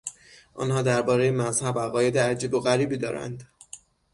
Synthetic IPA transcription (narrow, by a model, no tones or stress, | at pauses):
ʔɒ̰ːnɦɒːd̪æɾbɒːɾejemæzhæbæɣɒːje̞d̪eæd͡ʒiːboɣæɾiːbiːd̪ɒ̰ːɾæ̰nd̪